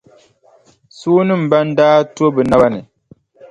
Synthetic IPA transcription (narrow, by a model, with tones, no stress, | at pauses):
suː˦nɨ˦m̩˨ba˦n̩˦daː˦tu˦o˦bɨ˨na˦ba˦nɨ˨